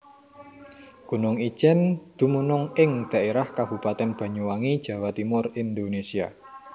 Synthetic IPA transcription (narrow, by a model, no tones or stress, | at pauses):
ɡ̥ṳnʊŋi̥t͡ʃɛnd̪̥ṳmunʊŋɪŋd̪̥a̤ʔeɾahkab̥ṳpat̪ɛnb̥ä̤ɲuwaŋid̥ʒ̥a̤wat̪imʊrind̪onesia̰